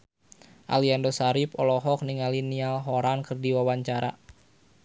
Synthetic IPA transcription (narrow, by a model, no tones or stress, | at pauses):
ʔa̰liandosaɾipɔlɔɦɔk̚niŋalinialɦoɾankɨrdiwawaɲt͡ʃaɾa̰